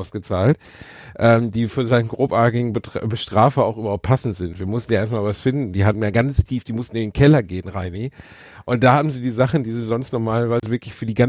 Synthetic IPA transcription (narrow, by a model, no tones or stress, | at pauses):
ʊsɡ̥ət͡saːlt | ʔɛːmd̥iːfyːɐzaɪnən̩ɡʁoːpʔaːtɪɡŋ̩bətbəʃtʁ̥aːfɐaʊxʔyːbɐhaʊp̚t̚pʰasn̩tz̥ɪntv̥iːɐmʊstn̩jaːeːɐstmaːlvasfɪndn̩diːɦaːbm̩jaːɡanstʰiːfd̥iːmʊstn̩ɪndenkʰɛlɐɡeːənʁaɪni | ʔʊnt̚d̥aːhaːbm̩ziːdiːzaχn̩diːziːzɔnstnɔʁmaːlɐvaɪzəvɪɐklɪçfyːɐdiːɡa